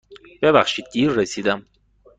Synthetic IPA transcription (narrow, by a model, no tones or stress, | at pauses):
b̥eβæχʃid̪̚d̪iːɾːesid̪æm